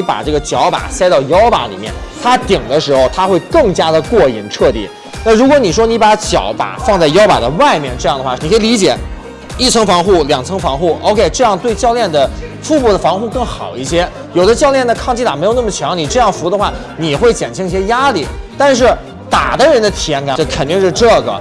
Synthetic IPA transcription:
pa̰˨˩ʈ͡ʂɤ˥˩ɡə˩t͡ɕjɑ˧˥ʊpa̰˨˩sa˥ɪɾɑ˥˩ʊjɑ˥ʊpa̰˧˥lḭ˨˩mjɛ̰˥˩nt̪ʰa˥t̪i˨˩ŋd̪ə˦ʂɻ̩˧˥xo˧ʊt̪ʰa˥xwe˥˧ɪkɤ˥˩ŋt͡ɕja˥d̪ə˨kwɔ˥˩ḭ˨˧˩nʈ͡ʂʰɤ˥˧t̪ḭ˥˩˦ | na˥˩ɻu˧˥kwɔ˧˥ni˨˩ʂwɔ˥ni˧˥pa˧˥t͡ɕjɑ̰˨˧˥ʊpa̰˨˩fɑ˥˧ŋt͡sa˥˩ɪjɑ˥ʊpa̰˨˩d̪ə˦wa˥˧ɪmjɛ˥˧nʈ͡ʂɤ˥˧jɑ˥˩ŋd̪ə˩xwa˥˩ni˨˩kʰe˥ɪli˧˥t͡ɕjɛ˨˩ | i˥˩t͡sʰɤ˧˥ŋfɑ˧˥ŋxu˥˩ljɑ˨˩ŋt͡sʰɤ˥ŋfɑ˧˥ŋxu˥˩ʔo̰˥˧ʊkʰe˥˧ɪʈ͡ʂɤ˥˧jɑ˥˧ŋt̪we˥˧ɪt͡ɕjɑ˥˧ʊljɛ˥˩nd̪ə˩ | fu˥˧pu˥˩d̪ə˩fɑ˧˥ŋxu˥˧kɤ˥˩ŋxɑ˨˩ʊi˥˩ɕjɛ˥ | jo˨˩ʊd̪ə˦t͡ɕjɑ˥˧ʊljɛ˥˩nd̪ə˩kʰɑ˥˧ŋt͡ɕʰi˥˩a˨˩me˧˥ɪo˨˩n˥˩mə˩t͡ɕʰjɑ˧˥ŋni˨˩ʈ͡ʂɤ˥˧jɑ˥˩ŋfu˧˥d̪ə˧xwa˥˩ | ni˨˩xwe˥˩ɪt͡ɕjɛ̰˨˩nt͡ɕʰi˧˥ŋi˥˩ɕjɛ˥ja˥li˥˩t̪a˥˧nʂ̬ɻ̩˥˩ | t̪a̰˨˩d̪ə˦ɻə˧˥nd̪ə˧t̪ʰi˨˩ɛ˧˥nka˨˩ʈ͡ʂɤ˥˩kʰə˨˩nt̪i˥˧ŋʂɻ̩˥˧ʈ͡ʂɤ˥˩ɡə̰˩

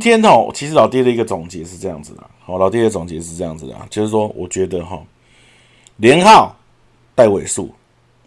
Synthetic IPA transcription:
t̪ʰjɛ˦nɔ˥˨˩t͡ɕʰi˧˥ʂɻ̩˧˥lɑ˨˩ʊt̪̬i˥də˨i˦ɡə˨˧t͡so˨˩ŋt͡ɕjɛ˧˦ʂɻ̩˥˧ʈ͡ʂɤ˥˧jɑ̰˥˩ŋd͡zɹ̩˨˩d̪ə̰˨˩hɔ˨˩lɑ˨ʊt̪̬i˦˥d̪ə˨t͡so˨˩ŋt͡ɕjɛ˧˦ʂ̬ɻ̩˥˧ʈ͡ʂɤ˥˧jɑ˥˩ŋd͡z̩˨˩d̪̰t͡ɕjo˥˧ʊʂɻ̩˥˧ʂwɔ˦˥wʔɔ̰˨˩t͡ɕɥɛ˧˦d̪ə˨ɦɔ˨˩ | ljɛ˧˦nxɑ˥˨ʊ | t̪a˥˩ɪwe˨˩ɪʂṵ˥˩

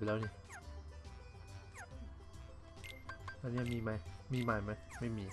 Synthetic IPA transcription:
lɛː˦˥˩nʰi˧˥˩ | la˧˩ni˥˩˨miː˧ma˧˥jmiː˧maː˧jma˦˥˩ma˥˩jmiː˧

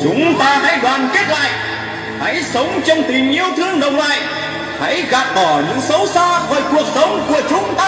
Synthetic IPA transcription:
t͡ɕʊ˨˦ŋ͡mt̪aː˧ha̰˧˥jɗwaː˨˩nke˦˥t̚la̰ː˧˨jʔ | ha̰˧˥jsə˨˦wŋ͡mt͡ɕɔ˧wŋ͡mt̪i˨˩ɲi˧əwt̪ʰɨ˧əŋɗə˨˩wŋ͡mlaː˧˨j | ha̰˧˥jɣaː˨˩p̚ɗɔ˨˩ɲɨ̰˧˥ŋsə˨˦wsaː˧vəː˨˩jku˨˩ək̚sə˨˦wŋ͡mku˧˩ət͡ɕʊ˨˦ŋ͡mt̪aː˧

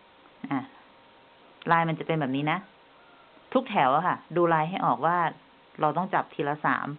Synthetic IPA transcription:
ʔa˨˩ | laː˧jma˧nt͡ɕa˨˩pe˧nbɛː˨˩p̚niː˦˥na˦˥ | t̪ʰu˦˥k̚t̪ʰɛ˩˦wa˨˩kʰa˥˩duː˧laː˧jɦa˥˩jʔɔː˨˩k̚waː˥˩ | ɾa˧wt̪ɔ˥˩ŋt͡ɕa˨˩p̚t̪ʰiː˧laː˧sa̰ː˩˦m

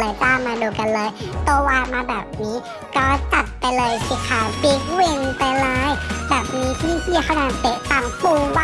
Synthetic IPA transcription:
a˧˦jt̪aː˧˩mːaː˧doː˨˧˩ka˧˨nlɤː˧˦jt̪oː˧waː˧˩t̪̚maː˧bɛː˨˩p̚niː˦˥ | kɔː˧˦t͡ɕa˨˩t̪̚pa˧jlɤː˧jsʰi˧kʰaː˨˩wpi˧˦k̚we˧ŋpa˧jlaː˨˦˥jbɛː˨˩p̚niː˨˦˥kʰiː˧siː˧kʰa˧˩˨naː˧˩nt̪e˧˩pa˧˩ŋpuː˧wa˧

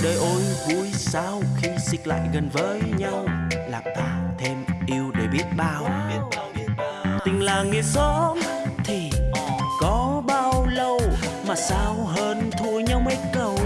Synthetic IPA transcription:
ɗəː˨˩jʔo˧jvu˨˦əjsaː˧wxi˧sï˧˥k̟̚la̰ː˧˨jɣə˨˩nvəː˨˦jɲa˧wlaː˨˩mt̪aː˧˩t̪ʰe˧mʔi˧əwɗe˧˩ɓi˦˥ət̚ɓaː˧w | t̪ï˨˩ŋ̟laː˨˩ŋi˨˩˨əsɔ˨˦t̪ʰi˨˩kɔ˨˦ɓaː˧wwlə˨˩wmaː˨˩saː˧wɦəː˧nt̪ʰu˧əɲa˧wmə˨˦jkə˨˩w

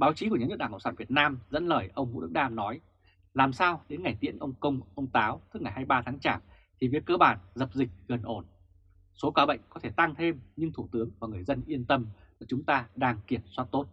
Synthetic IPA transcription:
ɓaː˨˦wt͡ɕi˨˦ku˧˩əɲa˨˦wə˦˥ɗaː˧˩kə̰˧˨ŋ͡msaː˧˩vi˨˩ət̚naː˧mzə̰˧˥nləː˧˨˩jʔə˧wŋ͡mvṵ˧˥ɗɨ̰˧˥ɗaː˧mnɔ˨˦j | laː˨˩msaː˧wɗe˨˦nŋa˨˩jt̪ḭ˧˥ənʔə˧wŋ͡mkə˧wŋ͡mʔə˧wŋ͡mt̪aː˨˦wt̪ʰɨ˦˥ŋa˨˩jhaː˧jɓaː˧t̪ʰaː˨˦ŋt͡ɕaː˧˩m | t̪ʰi˨˩vi˨˦kːəː˧ɓaː˧˨˩nzə˨˩p̚zï˨˩k̟̚ɣə˨˩nʔo˧˩n | so˨˦kaː˨˦ɓə̰˧˨jŋ̟kɔ˨˦t̪ʰe˧˩t̪a˧ŋt̪ʰe˧mɲɨ˧ŋt̪ʰu˧˩t̪ɨ˨˦əŋvaː˨˩ŋɨ˨˩əjzə˧nʔi˧ənt̪ə˧m | ɨ˧˩t͡ɕʊ˨˦ŋ͡mt̪aː˧ɗaː˧ŋki˧˩əmswaː˦˥t̚t̪o˦˥t̚

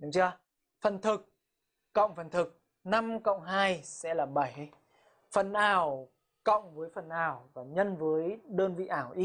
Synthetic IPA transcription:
ɗu˨˦ŋ͡mt͡ɕɨ˧ə˧ | fə˨˩nt̪ʰɨ˨˩k̚ː | ə̰˧˨wŋ͡mfə˨˩nt̪ʰɨ˨˩k̚ | na˧mkə̰˧˨wŋ͡mɦaː˧jsɛ̰˧˥laː˨˩ɓa˧˩jj | fə˨˩nʔaː˧˩w | kə̰˧˨wŋ͡mvəː˨˦jfə˨˩nʔaː˨˩wvaː˨˩ɲə˧nvəː˨˦jɗəː˧nvḭ˧˨ʔaː˧˩wʔi˨˦˥

